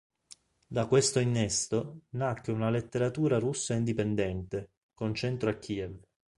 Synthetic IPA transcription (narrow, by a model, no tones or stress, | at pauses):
d̪akwest̪oinːest̪onakːweunalet̪ːeɾat̪uːɾarusːaind̪ipend̪ɛnt̪e | kont͡ʃɛnt̪ɾoakːiːɛv